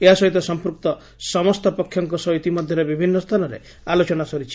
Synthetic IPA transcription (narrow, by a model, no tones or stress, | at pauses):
eɦasɔɦit̪ɔsɔmpɾuk̚t̪ɔ | sɔmɔst̪ʰɔpɔkʰːjɔŋkɔsɔɦit̪imɔd̪ʱjɔɾebibʱinːɔst̪ʰanɔɾḛ | alot͡ʃɔnasɔɾit͡ʃʰi̥